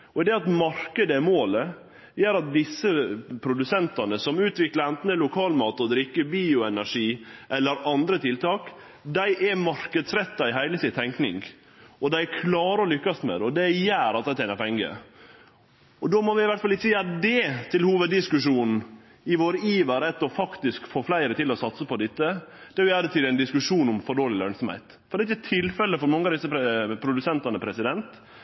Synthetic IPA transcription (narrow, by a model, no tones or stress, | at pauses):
ɔd̪ɛɑt̪mɑɾkəd̪əmoːlə | jæːɾɑt̪̚d̪ɪsːəpʰɾʊd̪ʉsɛnt̪ɑnəsɔmʉːt̪ʋɪkləɾɛnt̪n̩əlʊkʰɑːlmɑːt̪ɔd̪ɾɪkːəbiːʊɛnæʂiːʔɛlːəɾɑnd̪ɾət̪ʰɪlt̪ʰɑːk | d̪æɪʔɛmɑɾkəd̪sɾɛt̪ːɑɪɦæɪləsɪt̪ʰɛŋknɪ̰ŋɡ | ɔd̪æɪkʰlɑːɾəɔlʏkːɑst̪mḛːd̪ɔd̪ɛjæːɾɑt̪̚d̪æɪt̪ʰɛɪnəɾpʰɛŋɡə̰ | ɔd̪oːmɔʋɪɪʋæʈ̪fɑlɪːəjd̪ɛt̪ʰɪlhuːʋəd̪ːɪskʉʂuːn | ɪʋoːɾiːʋəɾɛt̪ːɔfɑkt̪ɪskfoːflæɪɾət̪ɪlɔsɑt̪səpɔd̪ɪt̪ːəd̪̥ɛæɾjjæːd̪ət̪ʰɪlɛɪnd̪ɪskʉʂuːnʊmfɔɖoːlɪlœnsɔmhæ̰ɪt̪ | fɔɾɛɪt̪ːɛt̪ʰɪlfɛlːəfɔɾmɑŋːəɑʋd̪ɪsːəpʰɾʊd̪ʉsɛnt̪ɑnəpʰɾɛsɪd̪ɛnt̪